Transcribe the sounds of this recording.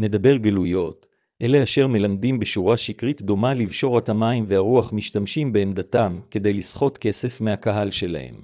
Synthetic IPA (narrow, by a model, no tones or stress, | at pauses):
ne̞d̪abe̞ʁɡelujo̞t | ʔe̞leaʃe̞ʁme̞lamdimbeʃuʁaʃikʁitd̪o̞malivʃo̞ʁatamaimveaʁuaχmiʃtamʃimbe̞ːmd̪atamke̞d̪e̞jlisχo̞tke̞se̞fmehakaɦalʃe̞la̰he̞̰m